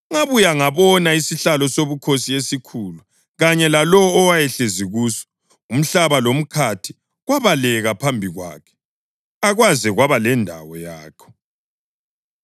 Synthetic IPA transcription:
uŋaβujaŋaβɔnaisiɬalɔsoβukʰosiesikʰulu | ɣaɲɛlalɔːwajɛɬeziɣusɔ̥ | um̩ɬaβalom̩kʰatʰi̥ | ɣwaβalɛɣapʰambʱiɣwa̰ːkʰɛ̥ | aɣwazɛɣwaβalɛndʱa̰wɔjaːkʰɔ̥

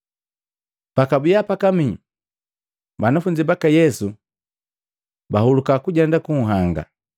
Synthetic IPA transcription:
pakabijapakami | banafuɲd͡ʒibakajɛsu | bahulukakuɟandakuŋ̩ɦaŋɡa̰

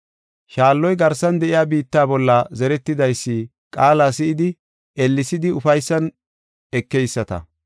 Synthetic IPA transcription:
ʃaːlːɔjɡɐɾsːɐnd̪ɛʔɪjaːbiːt̪ːaːbɔlːɐzɛɾɛt̪ːɪd̪ɐjsːɪ | kʼaːlaːsɪʔɪd̪ɪ | ɛlːɪsɪd̪ɪʊfɐjsːɐn | ɛkːɛjsːɐt̪ɐ̰

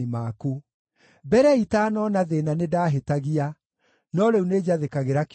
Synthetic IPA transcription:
imaku | bɛɾɛitaːnɔnaðenanedaːɦetaɣia | nɔɾeuned͡ʑaðekaɣeɾak

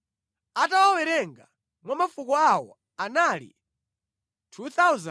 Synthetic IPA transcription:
atawawɛɾɛŋɡa | mwamafukɔawɔ̰ | analḭ | tʰut̪auza

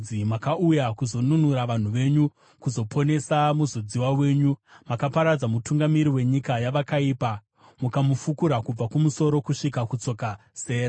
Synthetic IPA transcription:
imakaʔujakuzo̞nunuɾaʋan̤uʋe̞ɲu | kuzo̞pʰo̞ne̞samuzod͡ziwawe̞ːɲumakapaɾad͡zamutuŋɡamiɾiwe̞ɲikajaʋakaiːpa | mukamufukuɾakub͡vakumuso̞ɾo̞kuʂikakut͡so̞ka | se̞ːɾa

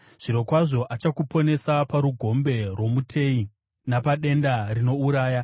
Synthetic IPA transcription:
ʐ̥iɾo̞kwaʐo̞ʔat͡ʃakupo̞ne̞sapaɾuɡʱo̞mbe̞rwo̞mutʰe̞i | napaɗe̞ndarino̞uɾaːja

